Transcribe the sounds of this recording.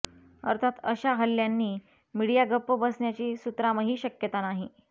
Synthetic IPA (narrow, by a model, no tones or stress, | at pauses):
ə̰ɾt̪ʰat̪əɕaɦəlːjanːiː | miɽijaɡəpːəbəsɳjat͡ɕiːsut̪ɾaməɦiːɕəkjət̪anaɦi